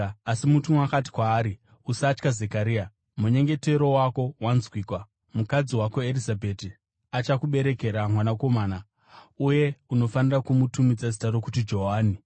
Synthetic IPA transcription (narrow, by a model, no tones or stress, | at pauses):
asimutumakati̥kwaːɾi | usat͡ʃkaze̞kaɾiːa | muɲe̞ŋɡe̞te̞ɾo̞wako̞wanzwiːkwa | mukad͡ziwakoeɾizabʱeti | at͡ʃakuɓe̞ɾe̞ke̞ɾamwanako̞maːna | uje̞uno̞fanirakumutumid͡zazitaɾo̞kutid͡ʒo̞ɦaːni